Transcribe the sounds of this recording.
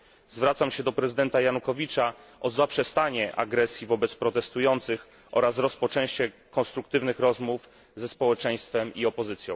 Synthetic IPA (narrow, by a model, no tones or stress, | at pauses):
zvɾat̪samɕɛd̪ɔpɾɛzɨɘd̪ɛnt̪ajanukɔvʲit͡ʂaʔɔzapʂɛst̪aɲɛʔa̰ɡɾɛsʲjivɔbɛt̪spɾɔt̪ɛst̪ujɔnt̪sɘx | ʔɔ̰ɾasɾɔspɔt͡ʂɛ̃w̃ɕt͡ɕɛkɔnst̪ɾuk̚t̪ɘvnɘxɾɔzmuf | zɛspɔwɛt͡ʂɛj̃st̪fɛmiɔpɔzɘt̪sʲjɔ̃w̃